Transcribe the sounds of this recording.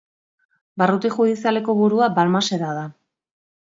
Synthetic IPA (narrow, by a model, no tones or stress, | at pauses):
barut̪ixuðisiale̞ko̞βuɾuabalmase̞ɾaða